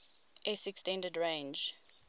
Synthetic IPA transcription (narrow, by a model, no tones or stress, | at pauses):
ʔɛsɛkstɛ̃ndədɹẽnd͡ʒ